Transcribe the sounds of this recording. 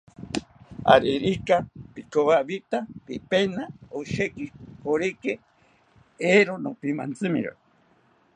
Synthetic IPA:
a̰ɾiɾikapikoβaβit̪apipenaoʃekikoɾike | eɾonopima̰nt͡sɨmḭɾo̰

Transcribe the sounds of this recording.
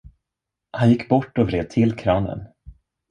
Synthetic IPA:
hanjɪkːbɔʈːɔvɾeːd̪̚t̪ʰɪlkʰɾɑːnə̰n

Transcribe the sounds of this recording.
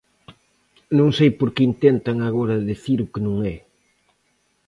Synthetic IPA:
nõŋsejpoɾkɪint̪ɛnt̪aŋaɣoɾɐðiθiɾʊkɪnõŋɛ

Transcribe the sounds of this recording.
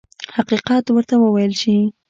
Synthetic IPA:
haqiqɑt̪wəɾt̪awəwajəlʃi

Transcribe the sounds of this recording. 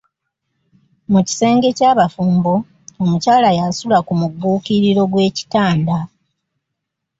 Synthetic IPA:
muci̥se̞ːŋɡe̞caːβafuːmbo̞ | omucaːlajasulakumuɡuːkiɾiɾo̞ɡwe̞ːci̥taːnda

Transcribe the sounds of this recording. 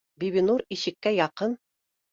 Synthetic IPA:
biβinuɾiɕɘ̆kːæjɑqɤn

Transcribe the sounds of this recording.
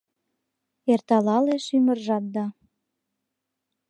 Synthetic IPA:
ert̪ɑlɑleʃymə̆rʒɑt̪̚d̪ɑ

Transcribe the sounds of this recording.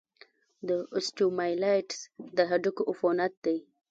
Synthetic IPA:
d̪əʊsʈumajlajʈsd̪əɦaɖəkoʔʊfonat̪̚d̪aj

